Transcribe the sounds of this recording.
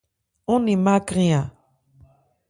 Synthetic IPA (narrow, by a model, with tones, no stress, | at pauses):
ũ˦nĩ˨ma˦kɾĩ˦ã˨